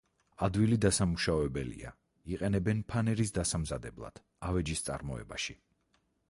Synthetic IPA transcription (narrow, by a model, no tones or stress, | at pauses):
ad̪wilid̪asamuʃavɛbɛlḭa | iqʼɛnɛbɛnpʰanɛɾisd̪asamzad̪ɛblˠa̰d̪̥ | avɛd͡ʒist̪sʼa̰ɾmɔɛ̰baʃi